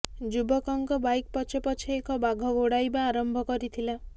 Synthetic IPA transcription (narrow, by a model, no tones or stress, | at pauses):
d͡ʒubɔkɔŋkɔbajk̚pɔt͡ʃʰepɔt͡ʃʰiekɔbaɡʱɔɡoɽajbaːɾɔmbʱɔkɔɾit̪ʰila